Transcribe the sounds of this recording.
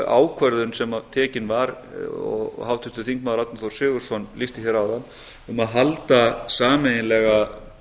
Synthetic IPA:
a̰ːwkʰvɛɾðʏnsɛmat̪ʰɛːcɪnvaɾ | ɔ̰ɣhaːwt̪ʰʏst̪ʏθiŋkmaðʏɾat̪naθowɾ̥sʏːɣʏɾ̥sɔnlist̪ɪ̥çɛɾaːwðanː | ʏmaðɦalt̪asaːmɛjɪnlɛɣa

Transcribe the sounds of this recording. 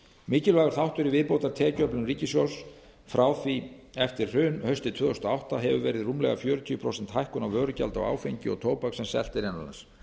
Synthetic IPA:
mɪːcɪlvaːɣɾ̥θawht̪ʏɾivɪðpowt̪aɾt̪ʰɛːcœplʏmriːcɪsjows | fɾʔaːwθviɛft̪ɪɾ̥r̥ʏːnhœɥst̪ɪt̪ʰvœːðɔst̪ɔawht̪aɦɛvʏvɛːɾɪðrumlɛ̰ɣafjœːɾʏt̪ʰiːʏpʰɾowsɛn̥t̪hajhkʏnavvœːɾʏca̰lt̪a̰wa̰ːwfejɲcɪɔ̰ɣt̪ʰoːwpaksɛmsɛ̰l̥t̪ɪɾɛna̰lans

